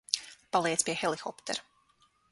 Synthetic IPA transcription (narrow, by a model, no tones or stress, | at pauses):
palˠiɛt̪spiɛxɛlˠixɔpt̪ɛ̰ɾ